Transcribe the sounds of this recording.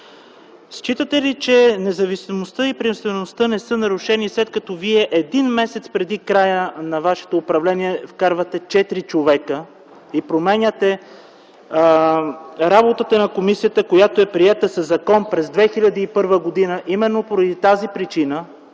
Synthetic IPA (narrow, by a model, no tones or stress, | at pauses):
st͡ʃit̪ət̪ɛlit͡ʃɛnɛzɐvisimost̪əipɾiɛmst̪vɛnost̪ənɛsɤnɐɾuʃɛnislɛt̪̚kɐt̪ɔviɛʔɛd̪inmɛsɛt̪spɾɛd̪ikɾajənɐvaʃɛ̥t̪oːpɾɐvlɛniɛfkaɾvət̪ɛt͡ʃɛt̪ɾit͡ʃovɛkə | ipɾomɛnʲət̪ɛ | ɾabot̪ət̪ənɐkomisijət̪əkojat̪oɛpɾiɛt̪əsɐzːɐkɔnpɾɛzd̪vɛxilʲɐd̪iːpɤɾvəɡod̪inəʔimɛnːopoɾɐd̪it̪azipɾit͡ʃinə